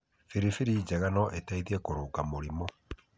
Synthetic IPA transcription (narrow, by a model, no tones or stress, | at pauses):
fiɾifiɾid͡ʒaɣanɔʔetaiðiɛkoɾokamoɾimɔ